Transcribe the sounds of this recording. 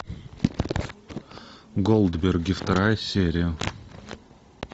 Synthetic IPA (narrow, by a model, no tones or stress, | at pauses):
ɡolˠd̪bʲerɡʲɪft̪ɐɾajsʲeɾʲɪjə